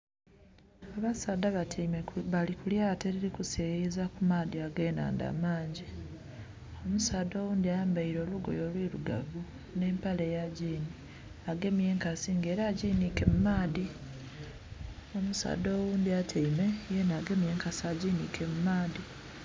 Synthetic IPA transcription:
aβasaːd̪aβatʰmeβalikuljateɾiɾikusejizakumaːdiaɡe̞ːna̰ːnda̰ːmaːɲɟi | o̞musaːdoːwuːnd̪iambaiɾo̞ːluɡo̞̰jo̞ːlwiːɾṵɡa̰vu | ne̞ːmpale̞jaɟiːni | aɡe̞mje̞ːŋkasiŋɡe̞ːɾaːɟiːnike̞mumaːdi | o̞musa̰ːdoːwuːnd̪iatʰeimejenaɡe̞mje̞ːŋkasiaɟiːnḭkʰe̞mumaːdi

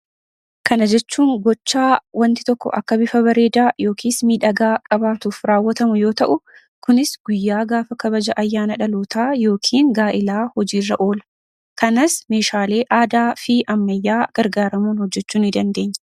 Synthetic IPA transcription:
kɐnɐd͡ʒɛt͡ʃːuːŋɡɔt͡ʃːaːwɐnt̪ɪ̥t̪ɔkːɔ̰ʔɐ̰kːɐbɪfɐβɐɾe̞ːd̪aːjo̞ːkʰiːsmiːᶑɐɡaːkʼɐbaːt̪uːfɾaːwːɐt̪ɐmʊjo̞ːt̪ɐʔʊ | kʊnɪsɡ̥ʊjːaːɡaːfɐkɐbɐd͡ʒɐʔɐjːaːnɐᶑɐloːt̪ʰaːjo̞ːkʰiːŋɡaːʔɪlaːhɔd͡ʒiːrːɐʔo̞ːlɐ | kɐnɐsme̞ːʃaːle̞ːʔaːd̪aːfɪʔɐmːɐjːaːɡ̥ɐɾɡaːɾɐmuːnhɔd͡ʒːɛt͡ʃːuːnɪd̪ɐnd̪e̞ːɲːɐ̥

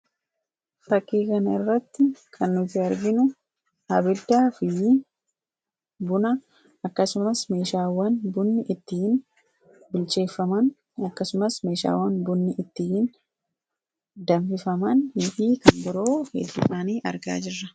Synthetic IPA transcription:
fɐkːeːkɐnɐɪrːɐt̪ːɪkʰɐnːʊt̪ɪɐɾɡɪnʊ | ɐbɪld̪aːfɪ | bʊnɐ | ɐkːɐsʊmɐsme̞ːʃaːwɐnbʊnːɪʔɪt̪ːɪhɪn | bɪlt͡ʃe̞ːfːɐmɐn | ɐkːɐsʊmɐsme̞ːʃa̰ːwːɐnbʊnːɪʔɪt̪ːɪhɪn | d̪ɐɱfɪfɐmɐnɪfiːkɐnbɪɾo̞ːfḛːɪsaːniːʔɐ̰ɾɡa̰ːd͡ʒɪrːɐ̥

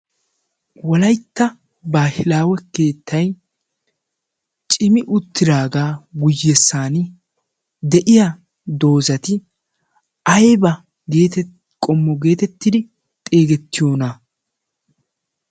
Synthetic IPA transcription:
wɔlɐjt̪ːɐ | baːhɪlaːwɛkeːt̪ʰːɐj | t͡ʃʼɪmɪʔʊt̪ːɪd̪aːɡaːwʊjːɛsːaːnɪ | d̪ɛʔɪjɐ | d̪o̞ːzɐt̪ɪ | ɐjbɐ | ɡeːt̪ | kʼɔmːɔɡe̞ːt̪ɛt̪ːɪd̪ɪ | t̪ʼe̞ːɡɛt̪ːɪjo̞ːnɐ

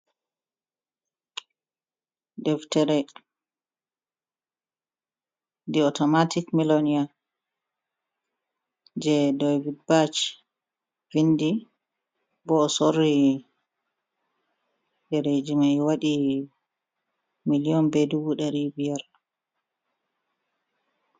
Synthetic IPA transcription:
dɛftɛɾɛ | diɔtɔmatʰikmilonija | d͡ʒɛdɔjvibat͡ʃ | vindi | bɔːsorːi | ɗɛɾed͡ʒimajwaɗi | miliɔnbedubuɗɛɾibijaɾ

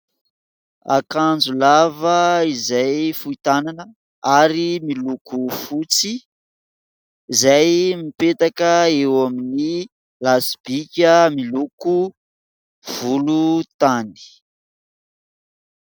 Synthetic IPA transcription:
a̰kand͡zulavəizajfuit̪ananə | aɾimilukufut͡si | zajmipet̪akəewamini | lasb̥ikʲəmiluku | v̥ulut̪ani̥

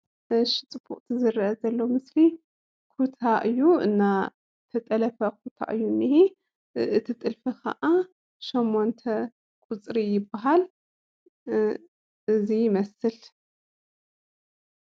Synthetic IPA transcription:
ʃɪt͡sʼɨbʰuχʼt̪ʰizɨrɐʔɐzɐlːomɨsli | kʰut̪ʰaʔɨjːuɨ̰nːa | t̪ʰɐt̪ʼɐlɐfɐk̚ʰut̪ʰa̰ʔɨjːunːihi | ɨt̪ʰit̪ʼɨlfikʰɐ̰ʔa | ʃomːont̪ʰɐ | kʼut͡sʼɾijɪbːaɦal | ɨzijɪmɐsɨl

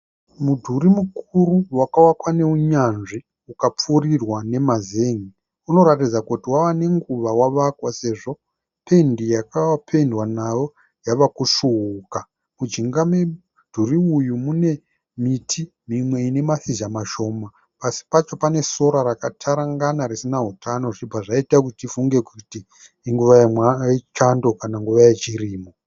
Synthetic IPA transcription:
mudʱuɾimukuruwakawakwane̞uɲanʐi | ukap͡furirwane̞mazeŋi | uno̞ɾatid͡zakutiwawane̞ŋɡuʋawaʋakwase̞ʐo̞ | pʰe̞ndijakawpʰe̞ndwanajo̞ | jaʋakuʂuɦuka | mud͡ʒiŋɡame | d̥ʱuriujumune̞ | mitʰi | mimwe̞ine̞masiʒamaʃo̞ːma | pasi̥pat͡ʃo̞pane̞so̞ɾaɾakatʰaɾaŋɡanaɾisinaɦutʰano̞ʐibaʐaitakutifuŋɡe̞kutiː | ŋɡuʋajit͡ʃando̞kanaŋɡuʋajet͡ʃiriːmo

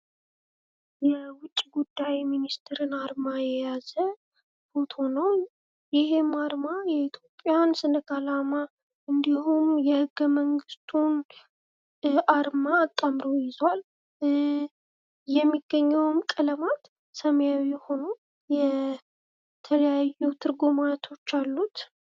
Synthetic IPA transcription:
jɛwʊt͡ʃʼːiɡud̪ːajminist̪ʰɨɾɨnaɾmajɛjazə | fot̪ʰo̞nəw | jɪhe̞maɾmajɛit̪ʰjo̞pʼːejansɨnɨɡʰalama | ɨnd̪ihumjɛhɨɡːəməŋɡɨst̪ʰun | ʔaɾmaːt̪ʼːamɾojɪzwal | jɛmːiɡːəɲːəwmkʼələmat̪ | səməjawiho̞no | jɛ | t̪ʰələjajːut̪ʰɨɾɡumat̪ʰo̞t͡ʃːalːut̪

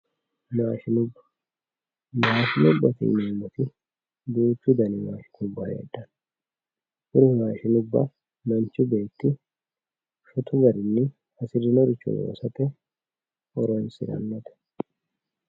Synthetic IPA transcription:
maːʃɪnʊbːɐ̥ | maːʃɪnʊbːɐt̪ɪ̰neːmːɔt̪ɪ | d̪uːt͡ʃːʊd̪ɐnɪma̰ːʃɪ̥nʊbːɐhḛːd̪ːɐn | ʔʊɾɪmaːʃɪnʊbːɐ̰ | mɐnt͡ʃʊbe̞ːt̪ːɪ | ʃɔt̪ʊɡɐɾɪnːɪ | hɐsɪɾɪnɔɾɪt͡ʃːɔ̰zo̰ːsɐt̪ɛ | ɔɾɔnsɪ̰ɾɐ̰nːɔt̪ɛ̥

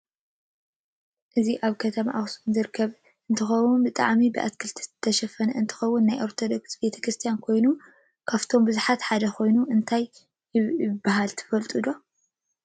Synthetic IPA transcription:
ʔɨziʔaβkʰɐt̪ʰɐma̰ʔaxsɨnzɨɾkʰːɐβ | ɨnt̪ʰɨxɐwunbɨt̪ʼa̰ʕmibɨʔa̰skʰɨlt̪ʰizɨt̪ʰːɐʃɐfɐnɐɨnt̪ʰɨ̥xɐwːʊnːajʔoɾt̪ʰo̞d̪o̞ksbe̞t̪ʰɐ̥kɾɨst̪ʰijankʰo̞jnu | kʰaft̪ʰo̞mbɨzuħat̪ħad̪ɐkʰo̞jnuʔɨnt̪ʰajː | ɪɪbːaɦalt̪ʰɨ̥fɐlt̪ʼud̪o

